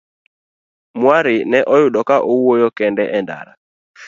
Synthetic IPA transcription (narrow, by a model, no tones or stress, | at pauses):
mwaɾɪnɛʔɔjʊɗɔkaʔouojɔkɛndɛʔɛnda̰ɾa